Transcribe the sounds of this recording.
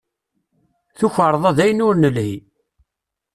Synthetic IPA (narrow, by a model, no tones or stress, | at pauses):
θuçəɾˤðˤɑðæjənʊɾnəlhi